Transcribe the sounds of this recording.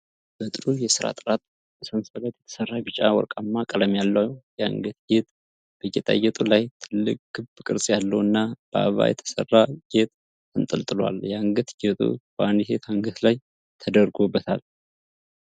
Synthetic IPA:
b̥ət̪ʼɨɾujɛsɨɾa̰t̪ʼɾat̪ | bəsənsələt̪jɛt̪ʰə̥sərːaɡɨt͡ʃʼawɔ̰ɾkʼamːakʼələmjalːəjɛaŋɡət̪ɡet̪ʼ | b̥əɡet̪ʼa̰ɡɛt̪ʼulajt̪ʰɨlːɨkʼɡɨβkʼɨɾsʼjalːəwɨnːab̥əa̰βa̰jɛt̪ʰə̥sə̰rːaɡ̥et̪ː | ɨnt̪ʼəlt̪ʼɨla̰ljɛaŋɡət̪ɡɛt̪ʼṵb̥əand̪ise̞t̪haŋɡət̪laj | t̪ʰəd̪əɾɡobːət̪ʰal

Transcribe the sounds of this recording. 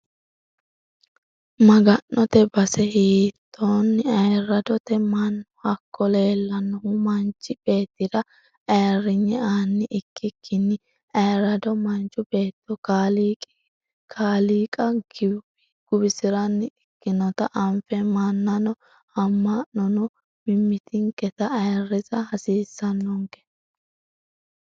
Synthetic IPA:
mɐɡɐnːɔt̪ɛbɐsɛhiːt̪ːoːnːɪɐjɾɐd̪ɔt̪ɛmɐnːɔhɐkːɔle̞ːlːɐnːɔhʊmɐnt͡ʃːɪb̥e̞ːt̪ːɪd̪ɐ | ɐjrɪɲːɛaːnːɪʔɪkːɪkʰːɪnːɪ | ɐjɾɐd̪ɔmɐnt͡ʃʊbe̞ːt̪ːɔkaːliːkʼ | kʰaːliːkʼɐɡɪ | ɪ | ɡ̥ʊbɪsɪɾɐnːɪɪkːɪnɔt̪ɐʔɐmfɛmanːɐnɔ | hɐmːanɔnɔ | mɪmːɪt̪ʰɪŋkɛt̪ɐɐjrːɪzɐhɐsiːsːɐnːɔŋkɛ̥

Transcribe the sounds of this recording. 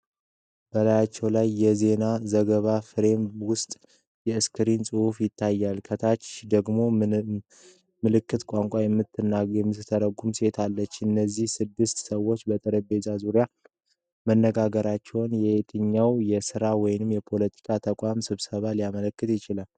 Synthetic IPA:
b̥əlajat͡ʃːɛwlajːɛze̞nazəɡəβafɨɾe̞mwʊst̪ʼ | jɛɨskʰɨɾinsʼɨhufjɪt̪ʰːajːalkʰət̪ʰat͡ʃd̪əɡmo̞ | mɨlɨkːɨt̪kʷʼaŋkʷʼajɛmːɨt̪ʰːɨnːajɛmːɨt̪ʰəɾəɡːumse̞t̪ʰalːət͡ʃːɨnːəzːihsɨd̪ːɨst̪səwo̞t͡ʃːbət̪ʼɨɾəbe̞t̪ʼazuɾja | mənːəɡaɡəɾat͡ʃːɛwnjɛet̪ʰɨɲːawjɛsɨɾawɔjnɨmjɛpʰo̞lət̪ʰi̥kʰat̪ʰəkʼamsɨβsəβaliamələkːɨt̪jɪt͡ʃɪlal

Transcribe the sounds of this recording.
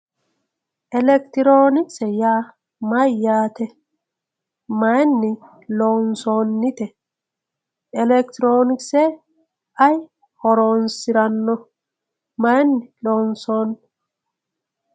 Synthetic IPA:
ʔɛlɛk̚t̪ɪɾoːnɪksɛjaː | mɐjːaːt̪ɛ | mɐjnːɪ | lɔnsoːnːɪt̪ɛ | ɛlɛkt̪ɪɾoːnɪksɛ | ɐj | hɔɾoːnsɪɾɐnːɔ | mɐjnːɪlɔːnsoːn

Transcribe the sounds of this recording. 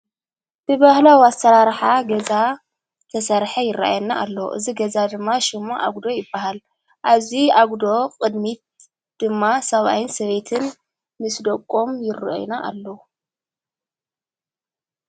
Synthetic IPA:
b̥ɨbɐhlawast̪ɐɾaɾħaɡɐza | t̪ʰɐsɐɾħɐjɪrːa̰ʔa̰jnaʔːlːɐw̰ʔɨ̰ziɡɐzad̪ɨmːaʃɪmːoʔa̰ɡd̪o̞jɪbːahal | ʔaβziʔaɡd̪o̞qʼɨd̪mit̪̚ | d̪̥ɨmːasɐβa̰jɪnsɐβe̞t̪ʰɨn | mɨsd̪okʼːo̞mjɪrːɨ̰ʔo̰jnaʔa̰lːɐ

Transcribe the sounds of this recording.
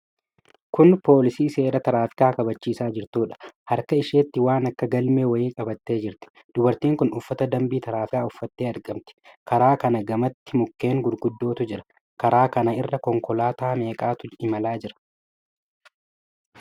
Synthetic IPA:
kʊnpo̞ːlɪsiːse̞ːɾɐt̪ɐɾaːfɪ̥kaːkɐbɐt͡ʃːiːsaːd͡ʒɪɾt̪uːᶑɐ̥hɐɾkɐɪʃeːt̪ːɪwaːnɐkːɐɡɐlmeːwɐjɪːkʼɐbɐt̪ːe̞ːd͡ʒɪɾt̪ɪ̥ | d̪̥ʊbɐɾt̪iːŋkʊnʊfːɐt̪ɐd̪ɐmbiːt̪ɐɾaːfɪkaːʊfːɐt̪ːeːɐɾɡɐmt̪ɪ̥kɐɾaːkɐnɐɡɐmɐt̪ːɪmʊkːe̞ːŋɡʊd̪ɡʊd̪ːo̞ːt̪ʊd͡ʒɪɾɐ̥ | kɐɾaːkɐnɐɪrːɐkɔŋkɔlaːt̪aːme̞ːkʼaːt̪ʊɪmɐlaːd͡ʒɪɾɐ̥

